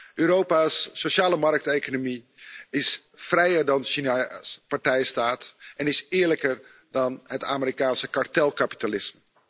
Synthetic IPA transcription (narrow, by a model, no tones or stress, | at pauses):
ʔøːɾowpasːoʃaːləmɑrk̚tejkonomi | ɪsfrɛjəɹdɑnʃinaspaɹtɛjstaːtʔɛnɪsɪːɹləkəɹ | dɑnɦəta̰ːməɾikaːnsəkaɹtɛlˠkapi̥talɪsmə